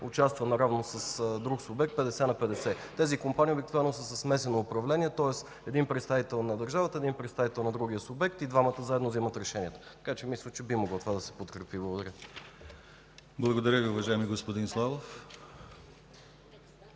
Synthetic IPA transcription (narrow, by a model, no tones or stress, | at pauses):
ʊt͡ʃast̪vənɐɾavnosəsd̪ɾuksʊbɛk̚t̪̚pɛd̪ɛsɛnɐpɛd̪ɛsɛt̪ɛzikompaniobikt̪vovɛnnosəsəsmɛsɛnoːpɾɐvlɛniɛt̪ɔɛs | ɛd̪inpɾɛt̪st̪avit̪ɛlˠnɐd̪ɐɾʒavət̪əɛd̪inpɾɛt̪st̪avit̪ɛlˠnɐd̪ɾuɡijəsʊbɛk̚t̪id̪vamət̪əzaɛd̪novzimət̪ɾɛʃɛniɛt̪ə̥t̪ɐ̥kat͡ʃɛmislʲət͡ʃɛbimoɡlˠot̪ovad̪ɐsɛ̥pot̪kɾɛpiblˠɡod̪ɐɾʲə | blˠɐɡod̪ɐɾʲjəviʊvɐʒaɛmiɡospod̪inslˠalˠof